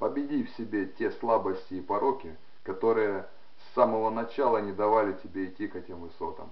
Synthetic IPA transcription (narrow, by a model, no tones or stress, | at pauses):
pəbʲɪdʲifʲsʲɪbʲe̞tʲe̞slˠabəsʲtʲɪːpɐɾokʲɪ | kɐt̪o̞ɾɨjə | sːaməvənɐt͡ɕalˠənʲɪd̪ɐvalʲɪtʲɪbʲeɪtʲːikɛtʲɪmvɨso̞t̪ə̰m